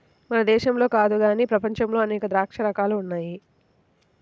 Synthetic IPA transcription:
mɐnɐd̪ɛːʃɐmlo̞ːkaːd̪uɡaːniːpɾɐpɐɲt͡ʃɐmlo̞ːɐnɛːkɐd̪ɾaːkʂɐɾɐkaːluːnːaːji

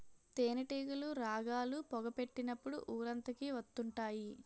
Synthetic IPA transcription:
t̪eːnɐʈiːɡuluɾaːɡaːlupɔɡɐpe̞ʈːinɐpːuɽṵʔuːɾɐnt̪ɐkiʋɐt̪ːuɳʈaːji

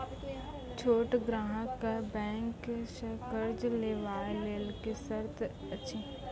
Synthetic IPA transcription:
t͡ʃʰoːʈɡɾaːɦə̃kabɛ̃ːŋkʃəkəɾd͡ʒleːʋaːleːlkesɐɾt̪ʰ | ɐːʃʰi

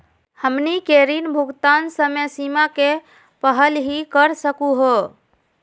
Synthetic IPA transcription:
həmnikeɾinbʱuɡt̪ansəmesimake | pəɦəlɦikəɾsəkuɦo

